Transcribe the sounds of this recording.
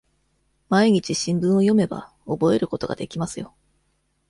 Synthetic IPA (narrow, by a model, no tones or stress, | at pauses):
maiɲ̟it͡ɕiɕĩmbɯ̟̃ɰ̃o̞jo̞me̞ba̰ | o̞bo̞e̞ɾɯ̟ko̞t̪o̞ɡa̰d̪e̞kʲimasɨjo̞